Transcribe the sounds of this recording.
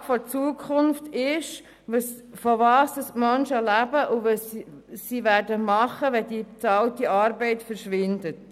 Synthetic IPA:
fɔt͡suəkʰχʊnftɪʃ | ʋəsfɔvɑːsd̥ɑsmœnʃəlæbəʔuvəsːivæːɾdəmɑχəʋɛd̥it͡sɑltiɑːɾbɛɪtfəɾʃʋɪndət

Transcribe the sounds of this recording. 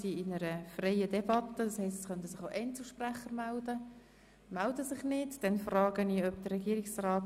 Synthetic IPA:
siɪnəɾəfrɛɪədɛbɑt̪ːəd̥ɑshɛɪstɛsχœntəsɪχoʔɛntsl̩ˠʃpræχəɾmældə | mældəsɪχnɪdd̥ɛnfrɑːɡ̥əniːœbd̥əːɛɡiːɾɪksrɑːt

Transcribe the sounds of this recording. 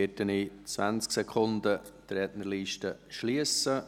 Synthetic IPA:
ɛtənit͡svæ̰nt͡sksɛkʰʊnd̪ət̪ɾɛtnəɾliːʃtəʃliəsə

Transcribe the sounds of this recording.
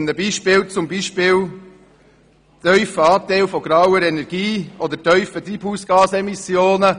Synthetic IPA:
nəbiːʃpɪːlt͡sʊmbiːʃpɪːl | t̪œʏfəɑːt̪æɪlfɔɡ̥ɾawəɾɛnɛɾɡ̥iːɔd̪əɾtœʏfət̪ɾiːbhuːsɡ̥ɑːsɛmisjoːnə

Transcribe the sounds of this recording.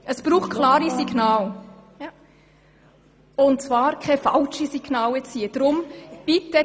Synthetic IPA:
əsb̥ɾuːχt̚kʰlaːɾisiɡnaːl | ʊntt͡svɑːɾkʰɛfɑlʃisiɡ̥nɑːwɛt͡siːəd̥̪ɾʊmb̥it̪ːə

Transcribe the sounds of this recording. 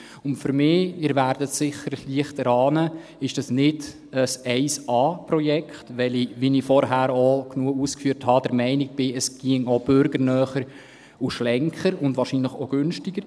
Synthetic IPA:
ʊntfʏɾmɪːɪɾʋæːɾd̥ətsɪχəɾliəχtəɾɑːnə | ɪʃd̥ɑsnɪd | əsɛɪsɑːprɔjɛkχtʋɛliʋinifɔɾɦæːɾoknuəuːskfyːəɾthɑd̥əɾmɛɪnɪk̚b̥ɪəsɡ̥iəŋob̥ʏɾɡəɾnœːχəɾ | uʃlɛŋkʰχəɾʊndʋɑːɾʃiːnləχɔɡ̥ʏnʃtɪɡ̥əɾ

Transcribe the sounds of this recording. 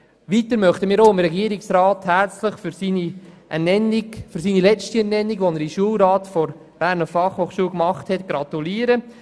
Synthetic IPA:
ʋiːtəɾmœχtəmiːɾoːɪmɾɛɡiːəɾiksɾaːthært͡sləχfysiːniɛnɛniɡfyɾsiːnilɛt͡ʃtiɛnɛnːiɡʋonəɾiʃuəlɾɑːtfɔɾ | b̥æːɾnəfɑχhoːχʃuːlkmɑχthɛtɡ̥ɾɑt̪uliːəɾə

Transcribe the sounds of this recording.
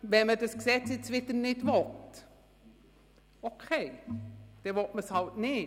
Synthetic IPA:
ʋɛmədəsksɛt͡sɪt͡sʋɪtənɪtvɔt | okʰeɪd̥ɛvɔt̚məshɑltnɪ

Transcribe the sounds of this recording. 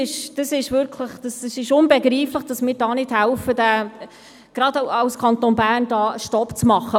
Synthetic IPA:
ɪʃd̥ɑsɪʃvʏɾkʰləχd̥ɑsəsɪʃʊnbɛɡɾiːfləχd̥ɑsmɪːɾdɑːnɪthɛlfədæ | ɡ̥rɑdɑʊskʰɑnt̪oːnbæːrndɑːəʃtɔpt͡smɑχːə

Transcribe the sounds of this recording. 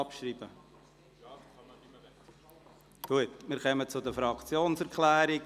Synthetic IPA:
ɑpʃɾiːb̥ə | ɡ̥uətmɪːɾχœmət͡sʊd̪əfɾɑkt͡sjoːnsɛɾkʰlæːɾɪ

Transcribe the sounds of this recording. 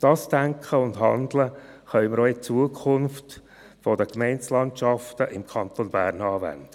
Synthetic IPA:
d̥ɑːsd̥æŋkχəʊndɦɑ̰nd̪ləχœʏməɾoɪt͡suəkχʊnft | fɔdəkmɛɪnt͡slɑntʃɑftəʔɪmkʰɑnt̪onbæːɾnɑːvæ̰nd̥ə

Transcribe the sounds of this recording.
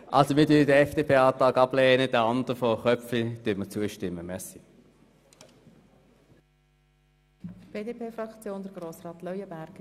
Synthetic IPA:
ʔɑlsomɪːɐdydəɛfd̥epʰeːɑːtɑːkɑb̥lɛːnəd̥əɑnd̥̪əʁəfɔχœfid̥yːmət͡suːəʃtɪmːəmɛsi | b̥eːdeːpʰeːfɾɑkt͡sjoːnd̥̪əɾɡ̥ɾoːsɾɑːt̪lœʏəbæɾɡ̥

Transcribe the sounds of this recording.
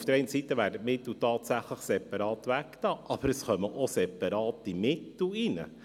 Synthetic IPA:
fd̥əɾɛɪnsitːəvæːɾdətmɪtl̩ˠtɑːtsæχləχsɛpɑɾɑːt̪ʋæktɑːʔɑb̥əɾəsχœməʔosɛpɑɾɑːt̪imɪtl̩inə̰

